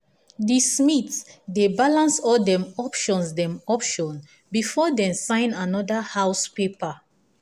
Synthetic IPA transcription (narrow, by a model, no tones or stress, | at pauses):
dismitsdebalãnsɔldɛ̃mɔpʃɔ̃nsdɛ̃mɔpʃɔ̃n | bifɔdɛ̃msãɪ̃nanɔdahawspepa